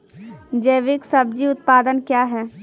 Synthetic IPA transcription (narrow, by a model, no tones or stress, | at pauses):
d͡ʒeːʋɪksɐb̚d͡ʒiʊt̪̚paːd̪ənkjaːɦɛː